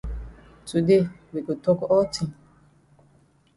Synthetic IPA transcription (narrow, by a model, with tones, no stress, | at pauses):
tu˨de˦˨wi˨ko˨tɔ˦kɔ˦tĩ˨